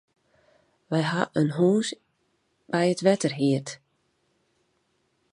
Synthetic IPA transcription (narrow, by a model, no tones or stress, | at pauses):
ʋɛjɦaʔənɦuːs | b̥ɛjətʋɛtərɦiət